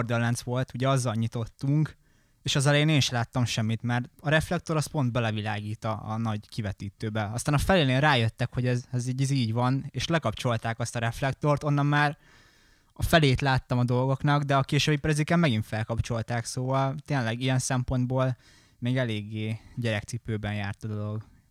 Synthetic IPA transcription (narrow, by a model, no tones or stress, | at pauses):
rd̪ølːɛnsʋo̞lt̪uɟɛɒzːɒlɲit̪o̞t̪ːuŋk | eːʃɒzɛlɛjeːneːnʃɛlaːt̪ːɒmʃɛmːit̪mɛrt̪ɒɾɛflɛk̚t̪o̞ɾɒspo̞nd̪̚bɛlɛvilaːɡiːt̪ɒɒ̰nɒɟkivɛt̪iːt̪øːbɛɒst̪aːnɒfɛleːneːlraːjøt̪ːɛkho̞ɟɛzɛziːɟiziːɟʋɒneːʃlɛkɒpt͡ʃo̞lt̪aːkɒst̪ɒɾɛflɛk̚t̪o̞rt̪o̞nːɒmmːaːr | ɒfɛleːt̪laːt̪ːɒmɒd̪o̞lɡo̞knɒɡd̪ɛɒkeːʃøbipːɾɛzikɛmmɛɡinfɛlkɒpt͡ʃo̞lt̪aːksoːvɒlt̪eːnlɛɡijɛnsɛmpo̞nd̪boːl | meːɡɛleːɡːeːɟɛɾɛkt̪sipøːbɛnjaːrt̪ɒd̪o̞lo̞ɡ